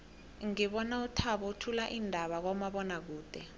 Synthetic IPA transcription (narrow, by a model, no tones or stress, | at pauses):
ŋiɓɔnautʰaɓɔutʰulaʔindʱaɓak̬ɔmaɓɔnak̬uːd̥ʱɛ